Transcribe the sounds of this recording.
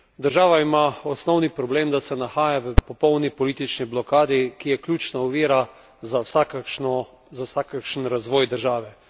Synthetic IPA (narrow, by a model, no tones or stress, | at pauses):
d̪əɾʒaːʋaimaɔsnɔwnipɾɔbleːmd̪asɛnaxaːjaʋəpɔpɔwnipɔliːt̪it͡ʃniblɔkaːd̪ikijɛklʲjuːt͡ʃnauʋiːɾa | zasaknɔ | zawsakakʃnɾazʋɔːjd̪əɾʒaːʋɛ